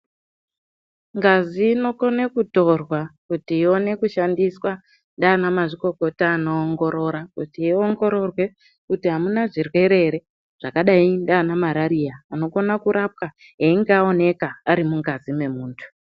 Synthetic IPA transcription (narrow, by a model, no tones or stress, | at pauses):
ŋɡaziːno̞konekuto̞rwakutiːo̞ne̞kuʃandiswa | ndaːnamaʐiko̞ko̞taːno̞ːŋɡo̞ɾo̞ɾakutiio̞ŋɡo̞ɾo̞rwe̞ | kutiɦamunaʐirwe̞ɾe̞ɾe̞ | ʐ̥akaɗaindaːnamaɾaɾijaːno̞konakuɾap̚ka | ɦeiŋɡeao̞ne̞kaaɾimuŋɡazime̞muːntʰu̥